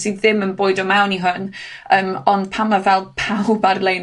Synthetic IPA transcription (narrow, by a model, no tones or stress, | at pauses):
siðɪmənboːɨdɔmawniɦʊnəːmɔnd̥pʰamavɛlˠpʰawbarlˠej